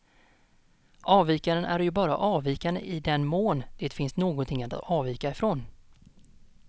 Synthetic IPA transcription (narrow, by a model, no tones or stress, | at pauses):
ʔɑːviːkaɾənʔæ̰ɾjɵbɑːɾa̰ʔɑːviːkand̪ə̰ʔɪd̪ɛnmoːnd̪̥eːt̪fɪnst̪noːɡɔnt̪ʰɪŋːat̪ɑːviːkaɪfɾoːn